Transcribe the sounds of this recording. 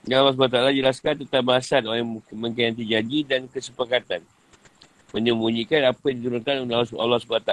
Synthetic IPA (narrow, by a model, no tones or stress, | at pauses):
jaalːɔs̬blat̪aalad͡ʒəlaskant̪ət̪apbaasat̪olamə̃ŋkaant̪̬id͡ʒad͡ʒidankəsəpakat̪an | mə̃ɲəmbuɲikanapajãŋdit̪uɾunkanola̰lːɔhsublat̪a